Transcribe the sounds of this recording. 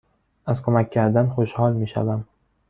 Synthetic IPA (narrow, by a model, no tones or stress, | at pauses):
az̥kʰomakʲʰːand̪anχoʃhɒlˠmeʃa̰bam